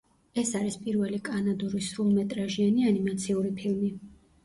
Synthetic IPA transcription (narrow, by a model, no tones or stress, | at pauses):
ɛsaɾispʼiɾvɛlikʼanad̪uɾisɾulˠmɛt̪ʼɾaʒianianimat̪sʰiuɾipʰilˠmi